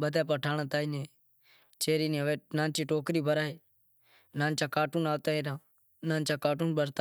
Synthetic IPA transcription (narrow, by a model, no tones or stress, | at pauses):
ɓəd̪aːp̬aːʈʰaːnaːt̪aːinẽː | t͡ʃeːɾiːneʋeːnãːnt͡ʃiːʈoːkɾiːbʱəɾaːeː | nãːnt͡ʃaːkaːʈuːnaːʋt̪aːeːɾãː | nãːnt͡ʃaːkaːʈuːnɓəɾt̪a